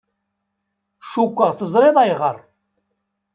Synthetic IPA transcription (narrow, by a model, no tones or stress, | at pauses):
ʃukʷːəʁθəzˤɾˤeðˤæjʁəɾˤ